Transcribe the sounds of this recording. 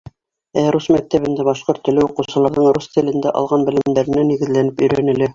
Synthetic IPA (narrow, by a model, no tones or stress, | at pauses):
æɾusmæk̚t̪æβɘ̆nd̪æbɑʃqoɾt̪ːɵ̆lɘuqɤ̆wsɤ̆lˠɤ̆ɾðɤɴɾust̪ɘ̆lɘ̆nd̪æʔɑ̰lˠʁɑnbɘ̆lɘ̆md̪æɾɘ̆næniɡɘ̆zlænɘpɵ̆jɾænɘ̆lɘ